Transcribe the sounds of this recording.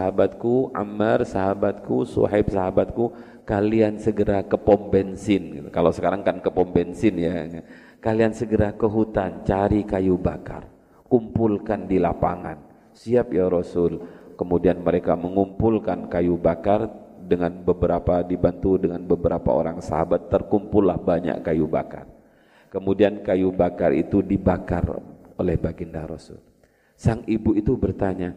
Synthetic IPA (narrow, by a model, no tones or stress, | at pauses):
saɦabat̪̚kuʔa̰marsaɦabat̪̚kusṵɦɛp̚saɦabat̪̚ku | kaliansəɡəɾakəpɔmbɛnsɪnɡikalosə̥kaɾaŋkankəpɔmbɛnsɪnja | kaliansəɡəɾakəɦut̪ant͡ʃaɾikajubaka̰r | kumpulkandilapaŋa̰n | siap̚jaɾosʊlkəmudianməɾekaməŋumpulkankajubakar | dəŋanbəbəɾapadibant̪udəŋanbəbəɾapa̰o̰ɾaŋsa̰ɦabat̪ːərkumpʊlːahbaɲa̰ʔkajubaka̰r | kəmudiankajubakarḭt̪udibaka̰rolɛhbaɡindaɾosʊ̰l | saŋibuit̪ubərt̪aɲa